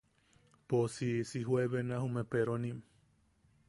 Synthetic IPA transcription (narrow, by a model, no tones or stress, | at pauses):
posisiɦweβenahumẽpeɾonĩm